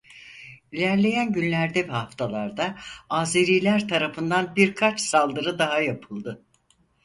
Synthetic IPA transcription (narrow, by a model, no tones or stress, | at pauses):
ilʲæɾlʲe̞jænɟynlʲæɾd̪ebihaft̪ʰalˠaɾd̪aaːzeɾijlʲæɾt̪ʰaɾafɯnd̪anbiɾkʰat͡ʃsalˠd̪ɯɾɯd̪aɦajapʰɯlˠd̪ɯ